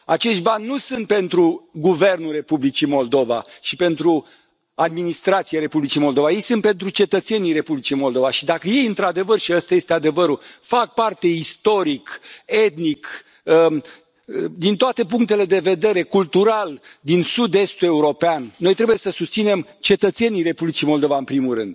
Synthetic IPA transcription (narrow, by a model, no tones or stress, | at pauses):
at͡ʃe̞ʃt̪̚banʲːusɨnt̪̚pe̞nt̪ɾuɡuve̞rnulre̞publit͡ʃimo̞ld̪o̞va̰ʃipe̞nt̪ɾu | ad̪̚minist̪ɾat̪siaɾe̞publit͡ʃijmo̞ld̪o̞vaje̞jsɨnt̪̚pe̞nt̪ɾut͡ʃe̞t̪ət̪se̞nijɾe̞publit͡ʃijmo̞ld̪o̞vaʃid̪akəje̞jɨnt̪ɾad̪e̞vərʃiast̪aje̞st̪ead̪e̞vəɾufak̚part̪e̞ist̪o̞ɾike̞t̪nik | ə | d̪int̪oat̪e̞p̬uŋk̚t̪e̞le̞d̪e̞ve̞d̪e̞ɾe̞kult̪uɾald̪insud̪e̞st̪ue̞uɾo̞peanno̞jt̪ɾe̞buje̞səsust̪sine̞mt͡ʃe̞t̪ət̪se̞nijre̞publit͡ʃimo̞ld̪o̞vaɨnpɾimuɾɨnd̪̥̚